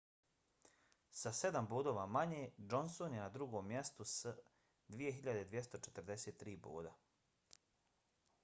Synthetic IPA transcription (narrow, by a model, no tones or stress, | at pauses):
sase̞d̪ambuːd̪o̞ːʋamaɲeːd͡ʒo̞nsonjenad̪ɾuɡoːmːjest̪us | d̪ʋije̞ɦiʎad̪e̞d̪ʋjest̪o̞t͡ʃet̪ɾd̪eseːt̪ːɾiːbṵːd̪a